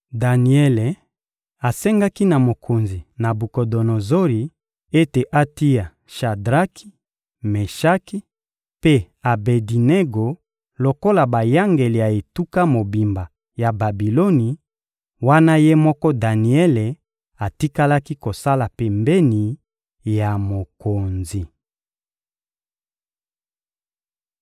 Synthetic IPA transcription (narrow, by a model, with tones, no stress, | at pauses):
da˨ni˨ɛ˦le˨ | a˨sɛ˦ŋɡa˦ki˦na˨mo˨kʰo˨nzi˨na˨bu˨ko˨do˨no˨zo˦ɾi˨ | e˦te˨ʔa˦ti˦ja˨ | ʃa˨dʁa˦kʰi̥˦ | me˨ʃa˦ki˦ | pe˦ | a˨be˨di˨ne˦ɡo˨ | lo˨ko˦la˨ba˨ja˦ŋɡe˨li˨ja˨e˨tu˦ka˦mo˨bi˨mba˨ | ja˨ba˨bi˨lo˦ni˨ | wa˦na˦je˦mɔ˦kɔ˦da˨ni˨ɛ˦le˨ | a˨ti˦ka˦la˦ki˦ko˨sa˦la˨pe˨mbe˦ni˨ | ja˨mo˨ko˨nzi˨